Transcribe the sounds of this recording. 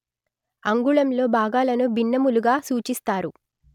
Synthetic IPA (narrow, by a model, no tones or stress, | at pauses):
ɐŋɡuɭɐmlo̞ːbʱaːɡaːlɐnubinːɐmuluɡaːsuːt͡ʃist̪aːɾu